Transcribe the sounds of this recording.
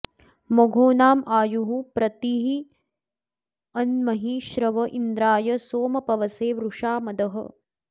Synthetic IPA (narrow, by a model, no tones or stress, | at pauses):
moɡʱoːnaːmaːjuɦupɾɐt̪iɦi | ɐnmɐɦiʃɾɐʋɐʔind̪ɾaːjɐsoːmɐpɐʋɐseːʋɾuʂaːmɐd̪ɐɦɐ̰